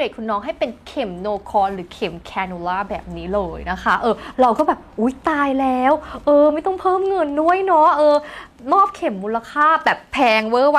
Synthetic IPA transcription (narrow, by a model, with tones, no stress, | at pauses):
eː˨˩kʰu˧nːɔː˦˥ŋɦa˥˩jpe˧nkʰe˨˩˦mnoː˧kʰɔː˧nɾɯː˩˦kʰe˨˩˦mkʰɛː˧nu˧laː˥˩bɛ̰ː˨˩p̚niː˦˥lɤː˧jna˦˥kʰa˦˥ʔɤː˧ɾa˧wkɔː˥˩bɛː˨˩p̚ʔuː˦˥jt̪aː˧jlɛː˦˥wʔɤː˧ma˥˩jt̪ɔ˥˩ŋpʰɤː˥˩mŋɤ˧nːu˥˩əjnɔ˦˥ʔɤː˧ | mɔː˥˩p̚kʰe˨˩˦mːuː˧la˧kʰaː˥˩bɛː˨˩pʰɛː˧ŋwɤː˦˥˩wa˦˥